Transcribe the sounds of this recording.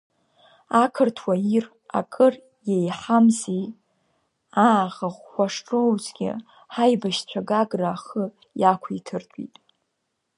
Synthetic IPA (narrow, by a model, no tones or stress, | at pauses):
akʰɨrtʰwair | a̰kʼɨr | jejħamzej | aːʁaχːʷaʂʈ͡ʂʼowzɡʲɪ̰ | ħajbaʃt͡ɕʷʰaɡaɡraːχə | jakʷʰitʰɨrtʼḭtʼ